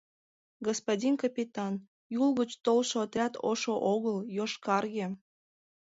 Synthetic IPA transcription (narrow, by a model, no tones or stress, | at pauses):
ɡospodʲinkɑpʲit̪ɑn | julɣət͡ɕt̪olʃoːt̪rʲɑt̪oʃoʔoɣəljoʃkɑrɣĕ